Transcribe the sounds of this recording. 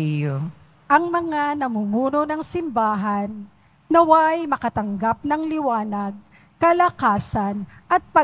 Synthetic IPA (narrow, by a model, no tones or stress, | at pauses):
o | ʔɐŋmɐŋanɐmumuːnonɐŋsɪmbaːɦɐnː | ɐwajmɐkɐt̪ɐŋɡap̚nɐŋlɪwaːnɐɡ̚ | kɐlɐkaːsɐnʔɐt̪̚pɐ